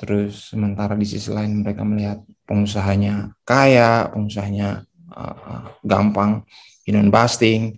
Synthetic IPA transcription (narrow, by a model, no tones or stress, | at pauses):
t̪əɾʊsːəmənt̪aɾadisisəlaɪnməɾekaməliɦat̪̚pəŋusaɦaɲakajapəŋusaɦaɲa | ə̰ɡa̰mpaŋ | inɔnbast̪ɪŋ